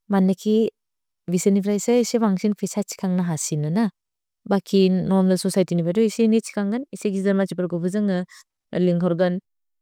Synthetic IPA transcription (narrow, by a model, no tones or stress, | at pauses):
manːɯkʰi | bisenipʰɾajsaisewaŋsinpʰisat͡ʃi̥kʰaŋnaɦasinɯna | bakʰinɔmdɯsɔsajtinipʰajdɔisinit͡ʃi̥kʰaŋɡɯniseɡizizaɾmat͡ʃipaɾɡɔbɯzɯŋɯ | liŋkʰɔɾɡɯn